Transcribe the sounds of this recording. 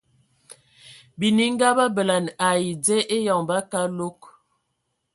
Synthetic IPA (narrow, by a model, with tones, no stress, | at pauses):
bi˨ni˦ŋ˦ɡa˦ba˦bə˨la˨na˨ji˨d͡ze˦ʔe˦jɔ˨ŋba˦ka˦lo˦k